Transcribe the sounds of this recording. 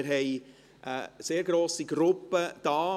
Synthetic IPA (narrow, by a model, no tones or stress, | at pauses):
ɾɦɛɪ | ʔə̰seːɾɡɾoːsiɡɾʊpːəd̥ɑː